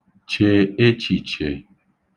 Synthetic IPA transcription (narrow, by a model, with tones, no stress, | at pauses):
t͡ʃe˨e˦t͡ʃi˨t͡ʃe˨